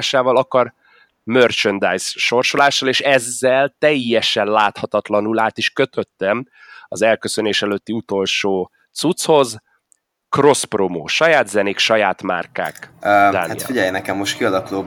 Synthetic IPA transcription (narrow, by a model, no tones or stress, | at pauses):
ʃaːvɒlɒkɒr | mørt͡ʃønd̪ajsʃo̞rʃo̞laːʃːɒleːʃɛzːɛlt̪ɛjːɛʃɛnlaːt̪hɒt̪ɒt̪lɒnulaːt̪iʃkøt̪ʰø̞t̪ːɛm | ɒzɛlkøsøneːʃɛløt̪ːiut̪o̞lʃoː | t̪sut̪sho̞z | kro̞spromo̰ːʃɒjaːd̪zɛneːkʃɒjaːt̪ma̰rka̰ːkːd̪a̰ːait̪fiɟɛjnɛkɛmːoʃt̪kiɒlɒkuloː